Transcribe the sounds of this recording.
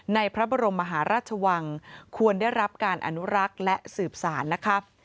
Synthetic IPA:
na˧jpʰɾa˦˥bɔː˧ɾo˧mːa˧ɦaː˩˦ɾaː˥˩t̪̚t͡ɕʰa˧wa˧ŋkʰu˧ənda˥˩jɾa˦˥p̚kaː˧nʔa̰˧nu˦˥ɾa˦˥k̚lɛ˦˥ʔsɯː˨˩p̚saː˩˦nːa˦˥kʰa˦˥

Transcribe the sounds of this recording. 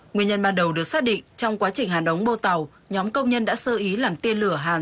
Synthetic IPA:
ŋwi˨˩ənɲə̰˧˩nmaː˨˩nɗə˨˩wɗɨ˨˩ək̚saː˦˥t̚ɗḭ̈˧˨ŋt͡ɕɔ˧wŋ͡mkwaː˨˦t͡ɕï˨˩ŋ̟ɦaː˨˩nɗə˨˦wŋ͡mɓo˧t̪a˨˩w | ɲɔ˨˦mkə˧wŋ͡mɲə˧nɗa̰ː˧˥səː˧ʔi˨˦laː˨˩mt̪i˧nlɨ˧˩əɦaː˨˩n

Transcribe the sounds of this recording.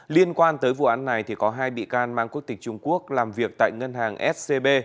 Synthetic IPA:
li˧ənkwaː˧nt̪əː˨˦jvṵ˧˨ʔaː˨˦nːa˨˩jt̪ʰi˨˩kɔ˨˦ɦaː˧jɓḭ˧˨kaː˧nmaː˧ŋku˦˥ət̪ï˨˩k̟̚t͡ɕʊ˧ŋ͡mku˦˥ək̚laː˨˩mvi˨˩ək̚t̪a̰ː˧˨jŋə˧nɦaː˨˩ŋʔɛ˦˥t̚se˧ɓe˧

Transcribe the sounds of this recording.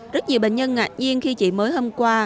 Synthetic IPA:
zə˦˥t̚ɲi˨˩əwɓḛ˧˨ŋ̟ɲə˧nŋa˨˩k̚ɲi˧ənxi˧t͡ɕḭ˧˨məː˨˦jɦo˧mkwaː˧

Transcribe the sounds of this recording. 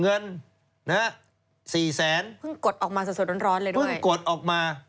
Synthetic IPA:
ŋɤ˧n | na˦˥ | siː˨˩sɛː˩˦npʰɯ˥˩ŋku˨˩t̪ʔɔː˨˩k̚maː˧s̚su˨˩˦t̪̚ɾoː˧˥nɾɔː˦˥nlɤː˧jdupʰɯ˥˩ŋ˨jku˨˩ət̪̚ʔɔː˨˩k̚maː˧

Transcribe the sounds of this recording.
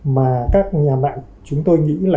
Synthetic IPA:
maː˨˩kaː˦˥k̚ɲaː˨˩ma̰ː˧˨n | t͡ɕʊ˨˦ŋ͡mt̪o˧jŋḭ˧˥laː˨˩

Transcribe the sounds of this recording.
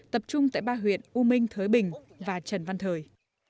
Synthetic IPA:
t̪ə˨˩p̚t͡ɕʊ˧ŋ͡mt̪a̰ː˧˨jɓaː˧ɦwḭ˧˨ənʔu˧mï˧ŋ̟t̪ʰəː˨˦jɓï˨˩ŋ̟ | vaː˨˩t͡ɕə˨˧˩nva˧nt̪ʰəː˨˩j

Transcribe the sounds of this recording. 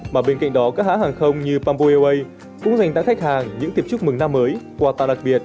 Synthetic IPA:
maː˨˩ɓe˧nka̰˧˨ŋ̟ɗɔ˨˦kaː˦˥k̚haː˨˦haː˨˩ŋxə˧wŋ͡mɲɨ˧paː˧mpo˧ʔe˧wʔə˧j | kʊ̰˧˥ŋ͡mza˨˩jŋ̟t̪a̰ː˧˥ŋxa˦˥k̚haː˨˩ŋɲɨ̰˧˥ŋt̪i˧˩əp̚t͡ɕʊ˦˥k̚mɨ˨˩ŋnaː˧mːəː˨˦jkwaː˧˩t̪a̰ː˧˨ɗa˨˩ɓi˨˩ət̚

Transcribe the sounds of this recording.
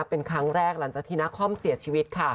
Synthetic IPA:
a˦˥pːe˧nkʰɾa˦˥ŋɾɛː˥˩k̚la˩˦ŋt͡ɕaː˨˩t̪ʰiː˥˩na˦˥kʰɔ˥˩msi˨˩˦t͡ɕʰiː˧wi˦t̪̚kʰa˥˩

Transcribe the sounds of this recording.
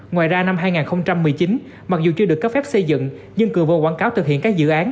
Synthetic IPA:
ŋwa̰ː˧˨jzaː˧na˧mɦaː˧jŋaː˨˩nxə˧wŋ͡mt͡ɕa˧mːɨ˨˩əjt͡ɕi˨˦n | ma˨˩k̚zu˨˩t͡ɕɨ˧ɗɨ˨˩əkːə˦˥fɛ˦˥p̚sə˧jzɨ̰˧˨ŋ | ɲɨ˧ŋkɨ˨˩əvə˨˩kwaː˧˩ŋkaː˨˦wt̪ɨ˨˩ɦḭ˧˨ənkaː˦˥k̚zɨ̰˧˨ʔaː˨˦n

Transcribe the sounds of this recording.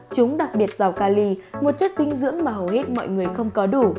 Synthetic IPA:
t͡ɕʊ˨˦ŋ͡mɗa˨˩k̚ɓi˨˩ət̚za˨˩wkaː˧li˧mo˨˩t̚t͡ɕə˦˥t̚t̪ï˨˦ŋ̟zɨ̰˧˥əŋmaː˨˩ɦə˨˩whe˦˥t̚mɔ̰˧˨jŋɨ˨˩əjxə˧wŋ͡mkɔ˨˦ɗu˧˩

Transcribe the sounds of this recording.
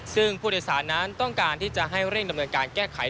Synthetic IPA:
sɯ˥˩ŋpʰuː˥˩ɤː˧jsaː˩˦nːa˦˥nt̪ɔ˥˩ŋkaː˧nt̪ʰiː˥˩t͡ɕa˨˩ʔɦa˥˩jɾe˥˩ŋda˧mnɤː˧nkaː˧nkɛː˥˩kʰa˨˩˦j

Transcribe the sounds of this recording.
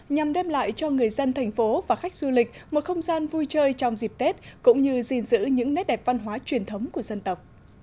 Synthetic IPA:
ɲa˨˩mɗɛ˧mla̰ː˧˨jt͡ɕɔ˧ŋɨ˨˩əjzə˧nt̪ʰɛ˨˩jŋ̟fo˨˦vaː˨˩xa˦˥jk̟̚zu˧lï˨˩k̟̚mo˨˩t̚xə˧wŋ͡mzaː˧nvu˧jt͡ɕəː˧jt͡ɕɔ˧wŋ͡mzi˨˩p̚t̪e˦˥t̚kʊ̰˧˥ŋ͡mɲɨ˧zi˧nzɨ̰˧˥ɲɨ̰˧˥ŋnɛ˦˥t̚ɗɛ˨˩p̚va˧nɦwaː˨˦t͡ɕwi˨˩ənt̪ʰə˨˦wŋ͡mku˧˩əzə˧nt̪ə˨˩wk͡p̚

